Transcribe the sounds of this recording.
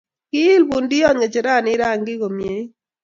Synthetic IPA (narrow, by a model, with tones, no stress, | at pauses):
kɪ˦ɪ˦lbu˨ndi˦ɔ˦ɲe˨t͡ʃe˨ɾa˦˨nɪ˦ɾa˦˨ŋɡɪ˦ɡo˨mje˨˦i˦